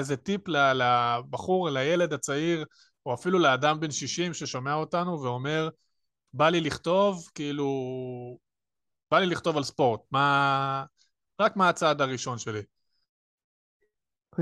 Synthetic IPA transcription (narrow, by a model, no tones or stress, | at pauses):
ezetiplalabaχuʁlaje̞le̞d̪at͡saiʁ | uafiluleadambe̞nʃiʃimʃe̞ʃome̞ao̞tanuveo̞me̞ʁ | baliliχt̪o̞vkiilu | b̥aliliχt̪o̞valspo̞ʁt̚ma | ʁakmaːt͡sad̪aʁiʃo̞nʃe̞li